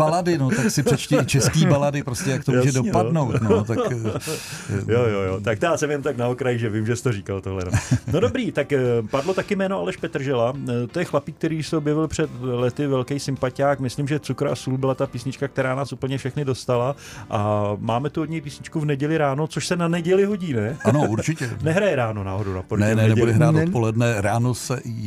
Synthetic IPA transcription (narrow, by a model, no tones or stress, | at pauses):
baladɪnot̪aksɪpɛt͡ʃcɛt͡ʃɛskiːbaladɪpɾoscɛjakt̪ouʒɛdopanowt̪nt̪a | joːjoːjo̰ːt̪ak̚t̪aːsɛmjɛnomt̪aknaokɾajɪʒɛvɪmʒɛst̪oriːkalt̪oɦlɛ̰nono̞dobɾiːt̪akpadlo̞t̪akɪmɛːnoalɛʃpɛt̪r̩ʒɛlat̪ojɛxlapiːk̚t̪ɛɾiːʃsɛobjɛvɪlpr̝̥ɛt̪lɛt̪ɪvɛlkɛjsɪmpacaːkmɪslɪmʒɛt͡sukɾa̰suːlbɪlat̪apiːsɲɪt͡ʃkak̚t̪ɛɾaːnaːsʔupl̩ɲɛfʃɛxnɪdo̞st̪alaʔamaːmɛt̪uodɲɛjpiːsɲɪt͡ʃkuvnɛɟɛlɪɾaːnot͡so̞ʃsɛnanɛɟɛlɪɦo̞ɟiːnɛanouɾt͡ʃɪcɛnɛɦɾajɛɾaːnonaːɦodownapɾonɛɛnɛnɛudɛɦɾaːt̪otpolɛdnɛɾaːnosɛ